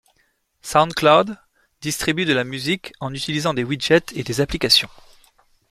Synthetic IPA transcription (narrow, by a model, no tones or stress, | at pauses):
saw̃nd̪klad̪ | d̪ist̪χibyd̪əlamyzikɑ̃nyt̪ilizɑ̃d̪ewiʒɛt̪ed̪ezaplikasjɔ̃